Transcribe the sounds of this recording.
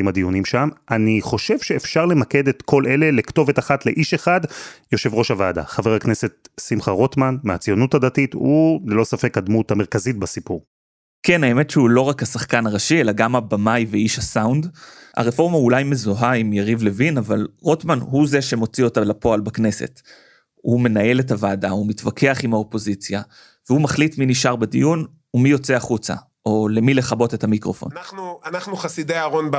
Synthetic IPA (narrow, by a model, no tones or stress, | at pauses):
imhad̪ijunimʃamʔaniχo̞ʃe̞vʃe̞ːfʃaʁle̞make̞d̪e̞t̪kʰo̞lʔe̞le̞lekto̞ve̞taχatle̞ʔiʃe̞χadjo̞ʃe̞vʁo̞ʃavaːda̰χave̞ʁakne̞se̞t̪̚simχaʁo̞t̪manmeat͡sijo̞nuthad̪atitulelo̞safe̞kad̪muthame̞ʁkazit̚basipuʁ | kenaemetʃehulo̞ʁakhasaχkanaʁaʃielaɡamabamajveiʃhasawnd̪a̰ʁefo̞ʁmaulajme̞zoɦaimjaʁivle̞vinavalʁo̞tmanɦuze̞ʃe̞mo̞t͡sio̞talapo̞albakne̞se̞̰t | hume̞nae̞le̞tavadaumitvakʰe̞aχimhaopo̞zit͡sja | vehumaχlitminiʃaʁbedijun | umijo̞t͡seaχut͡sa̰ | ʔo̞le̞mile̞χabo̞te̞tamikʁo̞fo̞̰nnanuanaχnuχasideaːʁo̞nb